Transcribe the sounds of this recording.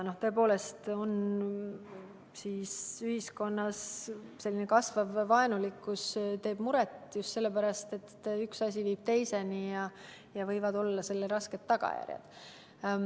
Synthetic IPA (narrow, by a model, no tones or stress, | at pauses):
no̞ht̪ø̞ep̬o̞ːle̞st̪o̞n | siːsyhisko̞nːɑsse̞lːinekɑsvɑvːɑenulikːˑust̪e̞ːb̥muɾɛt̪just̪se̞lːe̞pæɾɑst̪e̞t̪ːyksɑsʲiviːb̥̚t̪e̞jse̞nijɑ | jɑvɤ̞jvɑd̪o̞lːɑse̞lːeɾɑske̞t̪ːɑɡ̥ɑ̰jæ̰rjɑ̰d̪̥